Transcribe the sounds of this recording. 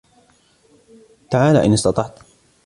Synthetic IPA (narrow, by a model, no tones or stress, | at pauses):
t̪aʕaːla̰ːʔɪnɪst̪ɑt̪ˤɑʕt̪